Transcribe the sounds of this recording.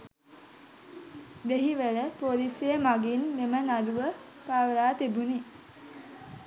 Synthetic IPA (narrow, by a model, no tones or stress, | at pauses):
d̪eɦiʋələpolisejəmaɡinːemənaduʋə | paːʋəlaːt̪ibuni